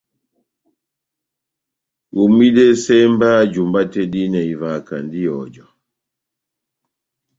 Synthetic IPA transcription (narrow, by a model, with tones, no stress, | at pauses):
u˨mi˦dɛ˦sɛ˦mba˦d͡ʒu˨mba˦tɛ˦di˦na˨i˨va˨ka̰˨ndi˦jɔ˨d͡ʒɔ˨